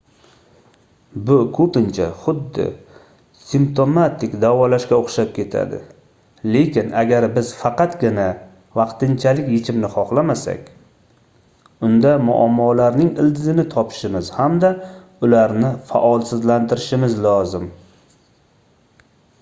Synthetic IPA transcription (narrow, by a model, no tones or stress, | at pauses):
bʊkʰɵpɪnt͡ʃʰa̰χʊd̪ːɪ̰ | simp̚t̪ʰo̞mat̪ʰɪkʲd̪avɒlaʃkʲaoχʃap̚kʲe̞t̪ʰa̰d̪ɪ̰ | le̞kʲɪnaɡʲaɾbɪz̥fɑqɑt̪ɡʲɪna | vɑqt̪ɪnt͡ʃʰalɪkʲjet͡ʃʰɪmnɪχɒχlamasa̰kʲ | ʊnd̪amʊ̰ʔa̰mːɒlaɾnɪŋɪld̪ɪzɪnɪt̪ʰɒpʰɪ̥ʃɪmɪz̥hamd̪a | ʊlaɾnɪfa̰ʔɒlˠsɪzlant̪ʰɪɾɪʃɪmɪzlɒzɪm